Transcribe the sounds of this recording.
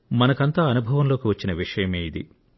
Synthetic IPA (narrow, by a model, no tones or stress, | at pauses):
mɐnɐkɐnt̪aːɐnubʱɐʋɐmlo̞ːkiʋɐt͡ʃːinɐʋiʂɐjɐmeːjid̪ḭ